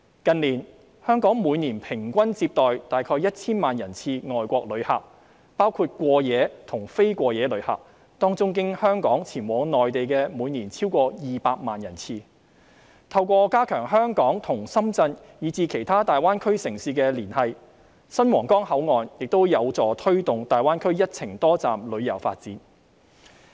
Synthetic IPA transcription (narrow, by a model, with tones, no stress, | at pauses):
kɐ˨nliː˨˩n | hœː˥ŋkɔː˨˥ŋmuː˨˧niː˨˩npʰɪ˨˩ŋkʷɐ˥nt͡siː˧p̚t̪ɔː˨jt̪aː˨jkʰɔː˧jɐ˥t̚t͡sʰiː˥nmaː˨njɐ˨˩nt͡sʰiː˧ŋɔː˨jkʷɔː˧k̚lɵ˨˧ɥha̰˨p̚ | paː˥wkʰuː˧t̚kʷɔː˧jɛː˨˧t̪ʰʊ˨˩ŋfe˥jkʷɔː˧jɛː˨˧lɵ˨˧ɥhɐ̰˨p̚ | t̪ɔː˥ŋt͡sʊ˥ŋk̬ɪ˥ŋhœː˥ŋkɔː˨˥ŋt͡sʰiː˨˩nwɔː˨˧ŋnɔː˨jt̪e˨jkɛː˧muː˨˧jniː˨˩nt͡sʰiː˥wkɔː˧jiː˨paː˧k̚maː˨njɐ˨˩nt͡sʰiː˧ | t̪ʰɐ˧wkʷɔː˧kaː˥kʰœː˨˩ŋɦœː˥ŋkɔː˨˥ŋt̪ʰʊ˨˩ŋsɐ˥mt͡sɐ˧n | jiː˨˧t͡siː˧kʰe˨˩jt̪ʰaː˥t̪aː˨jwaː˥nkʰɵ˥ɥsɪ˨˩ŋsiː˨˧kɛː˧liː˨˩nhɐ˨j | sɐ˥nwɔː˨˩ŋkɔː˥ŋhɐ˨˥wŋɔː˨njɪ˨k̚t̪o˥wjɐ˨˧wt͡sɔː˨t̪ʰɵ˥ɥt̪ʊ˨ŋt̪aː˨jwaː˥nkʰɵ˥ɥjɐ˥t̚t͡sʰɪ˨˩ŋt̪ɔː˥t͡saː˨mlɵ˨˧ɥjɐ˨˩wfa̰ː˧t̚t͡siː˨˥n